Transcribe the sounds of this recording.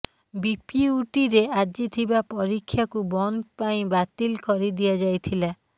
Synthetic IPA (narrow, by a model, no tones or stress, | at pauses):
bipiuʈiɾead͡ʒit̪ʰibapɔɾikʰːjakubɔnd̪paĩbat̪ilkɔɾid̪ijad͡ʒajt̪ʰila